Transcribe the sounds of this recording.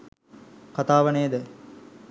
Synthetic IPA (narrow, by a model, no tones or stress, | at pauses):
kat̪aːʋəneːd̪ə